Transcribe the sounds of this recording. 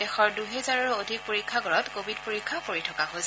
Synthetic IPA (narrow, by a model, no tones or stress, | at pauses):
dɛxɔɹduɦɛzaɹɔɹuodʱik̚poɹikʰːaɡɔɹɔtkobʱid̚poɹikʰːakoɹitʰɔkaxos